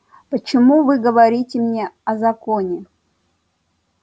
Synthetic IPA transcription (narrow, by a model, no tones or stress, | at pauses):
pət͡ɕɪmuvɨɡəvɐɾʲitʲɪmnʲeɐzɐkonʲɪ